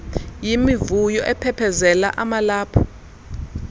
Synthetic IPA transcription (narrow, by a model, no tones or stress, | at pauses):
jimivujɔʔɛpʰɛpʰɛzɛla̰ʔamalaːpʰɔ̥